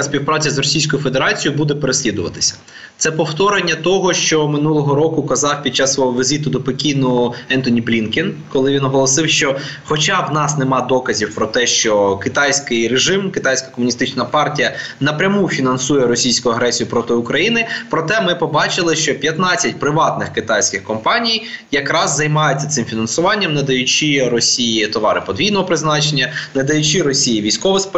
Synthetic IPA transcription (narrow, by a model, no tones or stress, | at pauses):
sʲpʲiwpɾɑt͡sʲɐzrɔsʲijsʲkɔʊjʊfed̪eɾɑt͡sʲijʊbud̪ɛpeɾesʲlʲid̪ʊʋɐt̪ɪ̥sʲɐ̥ | t̪sɛpɔwt̪ɔɾenʲːɐt̪ɔɦɔʃt͡ʃɔmɪnulˠɔɦɔɾɔkʊkɐzɑwpʲid̪̚t͡ʃːasːʋɔɦɔʋɪzʲit̪ʊd̪ɔpɔkʲinʊɛnt̪ɔnʲiblʲinkʲɪnkɔlˠɪʋʲinɔɦɔlˠɔsɪwʃt͡ʃɔ | xɔt͡ʃawnɑsnemɑd̪ɔkɐzʲiwpɾɔt̪ɛʃt͡ʃɔkɪt̪ɑjsʲkɪjɾeʒɪmkɪt̪ɑjsʲkɐ̥kɔmʊnʲist̪ɪt͡ʃnɐpɑrtʲijɐnɐpɾʲɐmufʲinɐnsujɛɾɔsʲijsʲkʊjʊɐɦɾɛsʲijʊpɾɔt̪ɪʊkɾɐjinɪpɾɔt̪ɛmɪpɔbɑt͡ʃɪlˠɪʃt͡ʃɔpʲjɐt̪nɑt͡sʲːɐt̚ʲpɾɪʋɑt̪nɪxkɪt̪ɑjsʲkɪxkɔmpɑnʲijjɐkɾɑzːɐjmɑjʊt͡sʲːɐt̪ɪmfʲinɐnsʊʋɑnʲːɐmnɐd̪ɐjʊt͡ʃiɾɔsʲijit̪ɔʋɑɾɪpɔd̪ʋʲijnɔɦɔpɾɪznɑt͡ʃenʲːɐned̪ɐjʊt͡ʃiɾɔsʲijiʋʲijsʲkɔʋɪsp